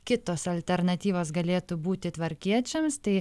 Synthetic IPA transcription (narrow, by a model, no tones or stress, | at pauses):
kʲɪt̪oːsɐlʲt̪ʲɛɾnɐt̪ʲiːʋoːs̬ɡɐlʲeːt̪uːbuːt̪ʲɪt̪ʋɐɾʲkʲiɛt͡ʃʲɛmst̪ɐɪ